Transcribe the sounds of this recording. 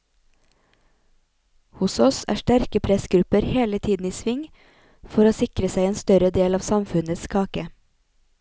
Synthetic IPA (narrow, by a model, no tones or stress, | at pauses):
hʊsɔsæ̰ːʃʈæɾkəpʰɾɛsɡɾʉpəɾheːlət̪ʰiːd̪n̩iːsʋɪŋ | fɔɾoːsɪkɾəsæɪeːnst̪œɾəd̪eːlɑːʋsɑmfʉnəskʰɑːkə